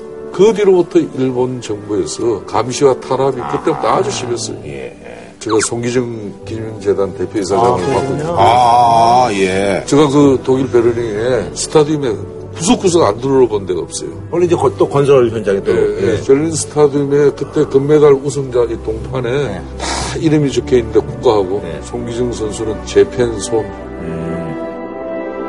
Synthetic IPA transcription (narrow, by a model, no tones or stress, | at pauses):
kɯbiɾobutʰʌiɭbont͡ɕʌŋbue̞sʰʌkamɕʰiwatʰaɾabikɯt͈e̞but͈oad͡ʑuɕʰibjʌs͈ʌ̰jo̰ḛ | t͡ɕeɣasʰoŋɡid͡ʑɯŋkiɲind͡ʑe̞dante̞pʰjois̬ʰad͡ʑapak͈oa | jet͡ɕe̞ɣakɯtoɡiɭpe̞ɾɯniinesʰɯ̥tʰadiume̞ | kus̬ʰok͈ːus̬ʰɯɡanduɾɯɾobonndeɡʌp̚s͈ʌ̰jo | ʌeid͡ʑekt͈okʌns̬ʰʌɭçjʌnd͡ʑaŋidejeseʎːinsʰɯ̥tʰadime̞kɯt͈e̞kɯmːe̞daɭus̬ʰɯŋd͡ʑaitoŋpʰane̞ | taiɾɯmit͡ɕokʰeinːɯnde̞kuk͈̚aɦaɡosʰoŋɡid͡ʑɯŋs̬ʰʌnsʰunɯnt͡ɕe̞pʰensʰoŋ